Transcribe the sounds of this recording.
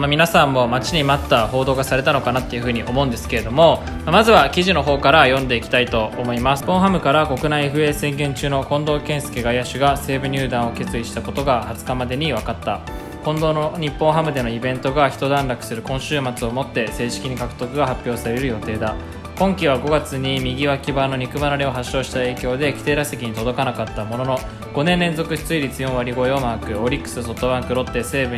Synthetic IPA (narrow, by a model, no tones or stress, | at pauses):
mamʲinasãmːo̞mat͡ɕiɲ̟imat̪ːaho̞ːd̪o̞ːɡasaɾe̞t̪ano̞kanat̪ːe̞jɯ̟ɸɯ̟ːɲ̟iʔo̞mo̞ɯ̟̃nd̪esɨ̥ke̞ɾe̞d̪o̞mo̞ | mamazɨβakʲiʑino̞ɦo̞ːkaɾajõ̞nd̪e̞ikʲi̥t̪ait̪o̞ːmo̞imasɨ̥pːõ̞ɰ̃ɦamɯ̟kaɾako̞kɯ̟naieɸɯ̟e̞ːsẽ̞ŋɡẽ̞ɲ̟t͡ɕɨːno̞kõ̞nd̪o̞ːkẽ̞ɰ̃se̥keɡaiaɕɨɡase̞ːbɯ̟ɲ̟ʲɨːd̪ãɰ̃o̞ke̞t͡sɨiɕi̥t̪ako̞t̪o̞ɡahat͡sɨ̥kamad̪e̞ɲ̟iβakat̪ːa | kõ̞nd̪onoɲ̟ipːõ̞ɰ̃ɦamɯ̟d̪e̞no̞ibẽ̞nt̪o̞ɡaçi̥t̪o̞d̪ãnɾakɯ̟̥sɨɾɯ̟kõ̞ɰ̃ɕɨːmat͡sɨo̞mo̞t̪ːe̞se̞ːɕi̥kʲiɲ̟ikakɯ̟t̪o̞kɯ̟ɡaɦapʲːjo̞ːsaɾe̞ɾɯ̟jo̞t̪e̞ːd̪a | kõ̞ŋkʲiβ̞aɡo̞ɡat͡sɨɲ̟imʲiɡʲiβakʲibano̞ɲ̟ikɯ̟banaɾʲio̞ɦaɕːo̞ːɕi̥t̪ae̞ːkʲo̞ːd̪e̞kʲi̥t̪e̞ːɾase̞kʲiɲ̟it̪o̞d̪o̞kanakat̪ːamo̞no̞no̞ | ɡ̥o̞nẽ̞nɾẽ̞nzo̞kɯ̟ɕi̥t͡sɨiɾʲit͡sɨjõ̞ɰ̃βaɾʲiɡo̞eomaːkɯ̟o̞ɾʲikːɯ̥sɨso̞t̪ːo̞βãŋkɯ̟ɾo̞t̪ːe̞se̞ːbɯ̟